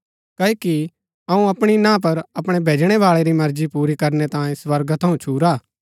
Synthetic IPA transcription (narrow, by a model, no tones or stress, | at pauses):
kɐiki | ɐũɐpɽ̃inãːp̬ɐɾɐpɽ̃ebʱeːd͡ʒɽ̃ebaːɭeɾimɐɾd͡ʒipuːɾikɐɾnet̪ãːĩswɐɾɡət̪ʰɐũt͡ʃʰuːɾaː